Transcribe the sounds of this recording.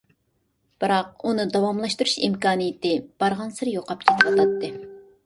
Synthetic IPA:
b̥ɨɾɑq̚unɨd̪ɑwɑmlˠɑʃt̪uɾuʃḭmkɑːnijit̪ɪb̥ɑɾʁɑnsɨɾjoqɑp̚kʲʰet̪ʰɪɾɑt̪ɑt̪ːɨ

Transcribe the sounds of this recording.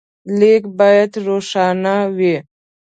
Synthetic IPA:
lekbɑjad̪ɾoʂɑnawi

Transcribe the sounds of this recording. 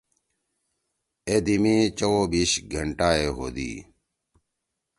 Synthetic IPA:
ed̪imĩːt͡ɕowobiːɕɡʱɐɳʈaːeɦo̰ːd̪ḭː

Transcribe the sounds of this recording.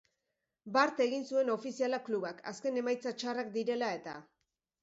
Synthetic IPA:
baɾt̪e̞ɣinsue̞no̞fisialakluβakʰa̰ske̞ne̞majt͡sat͡ʃarakd̪iɾe̞lae̞t̪a̰

